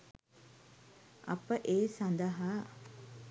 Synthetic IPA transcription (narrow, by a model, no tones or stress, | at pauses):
ɐpəʔeːsɐnd̪əɦaː